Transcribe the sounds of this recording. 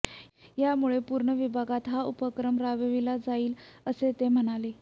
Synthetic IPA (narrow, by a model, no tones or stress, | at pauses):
jamuɭepuːɾɳəʋibʱaɡat̪ɦaʔupəkɾəmɾaʋəʋilad͡zaiːləset̪em̤əɽ̃ale